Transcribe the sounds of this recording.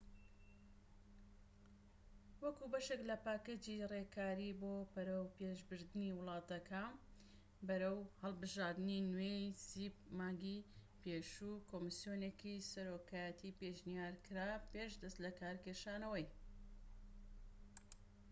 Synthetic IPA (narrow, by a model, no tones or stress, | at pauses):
wɐkubɐʃeklɐpaːked͡ʒirekʰaːɾiboːpɐɾɐwpeʒbɨɾd̪ɨniwɨlˠɑːt̪ɐkʰan | bɐɾɐwhɐlˠbɨʒaːɾd̪ɨninwejsipmaːɡipeːʃukoːmɨsjonekisɐɾoːkaːjət̪ʰipeʃnijaːɾkɨɾaːpeːʃd̪ɐst̪lɐkaːɾkeʃaːnɐwɐj